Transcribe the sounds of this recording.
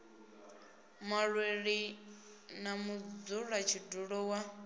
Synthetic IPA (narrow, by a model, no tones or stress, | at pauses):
maɺweɺi | namud͡zuɺat͡ʃʰiduɺɔwa